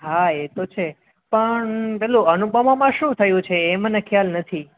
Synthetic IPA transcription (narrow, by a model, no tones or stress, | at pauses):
ɦaet̪ot͡ʃʰe | pəɳpɛluənubəmamãʃũt̪ʰəjũt͡ʃʰeːmənekʰjalnət̪ʰi